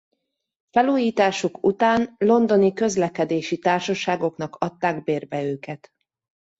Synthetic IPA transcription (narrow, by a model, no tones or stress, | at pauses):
fɛluːjiːt̪aːʃukut̪aːnlo̞nd̪o̞nikø̞zlɛkɛd̪eːʃit̪aːrʃɒʃaːɡo̞knɒkɒt̪ːaːɡbeːrbɛøːkɛt̪